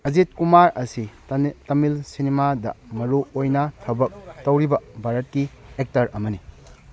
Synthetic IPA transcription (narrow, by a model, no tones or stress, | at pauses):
ɐzit̚kumaɾɐsitɐmilsinimadɐ̰mɐɾuojnɐtʰɐbɐk̚tɐwɾibɐbʱaɾɐt̚kiek̚tɐɾɐmɐni